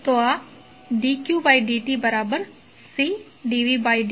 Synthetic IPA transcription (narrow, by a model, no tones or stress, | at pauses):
t̪oaː | ɖiːkjuːbaːiɖiːʈiːbəɾaːbəɾ | siː | ɖiːʋiːbaːiɖ